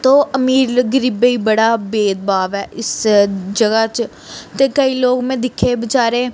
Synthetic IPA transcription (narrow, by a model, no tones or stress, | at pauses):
t̪oːəmiːɾɡəɾibeiːbəɽaːbeːd̪̚baːʋɛːɪsd͡ʒəɡat͡ʃ | t̪ekəiːloːɡmẽːd̪ɪkʰːebət͡ʃaːɾẽ